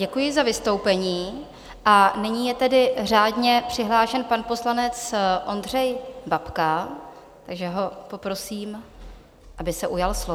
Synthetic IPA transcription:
ɟɛkujɪzavɪst̪o̞wpɛɲiː | ʔanɪɲiːjɛt̪ɛdɪraːdɲɛpr̝̥ɪɦlaːʃɛnpanpo̞slanɛt͡sʔo̞nd̪r̝ɛjbapka | t̪aɡʒɛɦo̞po̞pɾo̞siːm | ʔabɪsɛʔujalslo

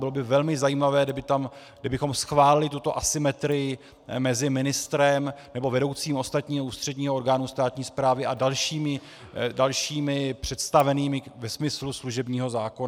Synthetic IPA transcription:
bɪlobɪvɛlmɪzajiːmavɛːdɪbɪt̪am | dɪbɪxo̞msxvaːlɪlɪt̪ut̪o̞ʔasɪmɛt̪ɾɪjɪ | mɛzɪmɪnɪst̪ɾɛmnɛbo̞vɛdo̞wt͡siːmʔo̞st̪at̪ɲiːɦouːst̪r̝̥ɛdɲiːɦooɾɡaːnust̪aːt̪ɲiːspɾaːvɪʔadalʃiːmɪ | dalʃiːmɪpr̝̥ɛt̪st̪avɛniːmɪvɛsmɪslusluʒɛbɲiːɦo̞zaːkon

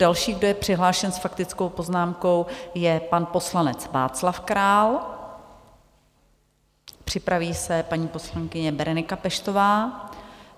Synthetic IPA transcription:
dalʃiːɣɡ̚do̞jɛpr̝̥ɪɦlaːʃɛnsfakt̪ɪt͡skowpo̞znaːmko̞wjɛpanpo̞slanɛt͡sva̰ːt͡slafkɾaːl | pr̝̥ɪpɾaviːsɛpaɲiːpo̞slaŋkɪɲɛbɛɾɛnɪkapɛʃt̪o̞vaː

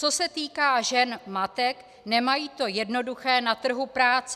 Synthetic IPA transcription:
t͡so̞sɛt̪iːkaːʒɛnmat̪ɛk | nɛmajiːt̪o̞jɛdno̞duxɛːnat̪r̩ɦupɾaːt͡s

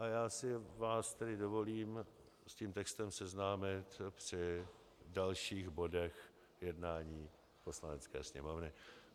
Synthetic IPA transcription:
ʔajaːsɪvaːst̪ɛdɪdo̞vo̞liːm | sciːmt̪ɛkst̪ɛmsɛznaːmɪt̪pr̝̥ɪ | dalʃiːɣbo̞dɛx | jɛdnaːɲiː | po̞slanɛt͡skɛ̰ːsɲɛ̰mo̞vnɪ

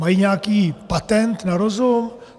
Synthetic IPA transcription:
mɐjɲakipɐt̪ɛnt̪nɐɾozo

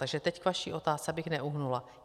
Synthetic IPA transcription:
t̪aɡʒɛt̪ɛckvaʃiːʔo̞t̪aːst͡sɛbɪxnɛʔuɦnula

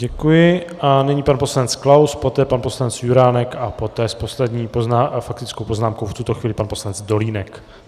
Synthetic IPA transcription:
ɟɛkujɪanɛɲipanpo̞slanɛt͡sklawspo̞t̪ɛːpanpo̞slanɛt͡sjuɾaːnɛkapo̞t̪ɛːspo̞slɛdɲiːpoznaːfak̚t̪ɪt͡skowpoznaːmko̞wft̪ut̪oxviːlɪpanpo̞slanɛd͡zdo̞liːnɛk

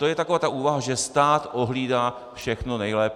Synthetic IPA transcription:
t̪ojɛt̪akovaːt̪aʔuːvaɦaʒɛst̪aːt̪ʔoɦliːdaː | fʃɛxnonɛjlɛːp

